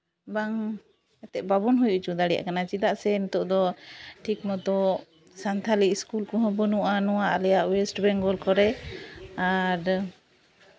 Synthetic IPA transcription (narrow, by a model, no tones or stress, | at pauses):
baŋ | ɛt̪ɛʔbabɔnɦujuʔt͡ʃud̪aɽɛja̰ʔkanat͡ʃid̪aʔsɛnt̪ɔʔd̪ɔʈʰikmɔt̪ɔ | sant̪ʰaliʔskulkɔɦɔ̃bɔnuʔanɔwaʔlɛjaʔwɛsʈbɛŋɡɔlkɔɾɛ | aɾ